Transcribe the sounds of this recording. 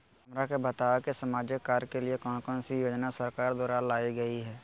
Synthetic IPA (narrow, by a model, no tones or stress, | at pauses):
hɦɐmɾakebɐt̪aːʋekesɐmaːd͡ʒəkːaːɾkeliekɔːnkɔːnsijoːd͡ʒnasəɾkaːɾd̪ɔːɾaːlaːiɡɐiɦɛː